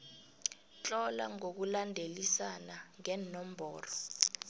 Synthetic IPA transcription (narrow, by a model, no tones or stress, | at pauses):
t͡ɬʼɔla̰ŋok̬ulandʱelisanaŋɛnɔm̩bʱɔ̰ːrɔ